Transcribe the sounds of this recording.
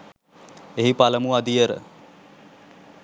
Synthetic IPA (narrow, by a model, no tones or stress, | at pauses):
eɦipaləmuad̪ijəɾə̰